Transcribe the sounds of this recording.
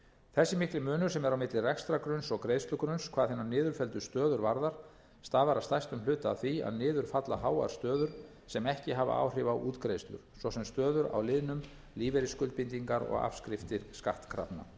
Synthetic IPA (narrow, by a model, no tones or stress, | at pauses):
θɛsːɪmɪhklɪmʏːnʏ̥sɛmɛɾawmɪt̪lɪrɛkst̪ɾakɾʏnsɔɣkɾejðst̪ʏkɾʏnskʰvaːðθɪnːaɾnɪːðʏɾfɛlt̪ʏst̪œːðʏɾvaɾðaɾ̥ | st̪aːvaɾawst̪ajst̪ʏmlʏːt̪aa̰wθia̰ðnɪːðʏɾ̥fat̪la̰ɦaːwa̰ɾ̥st̪œːðʏɾ̥ | sɛmɛhcɪɦava̰ʔa̰ːwr̥ɪːvawʔuːt̪kɾejst̪lʏ̰ɾ̥svɔsɛmst̪œːðʏɾa̰wlɪðnʏm | liːvɛɾɪskʏlt̪pɪnt̪iŋkaɾɔ̰ɣa̰fskɾɪft̪ɪɾskaht̪kʰɾa̰pna̰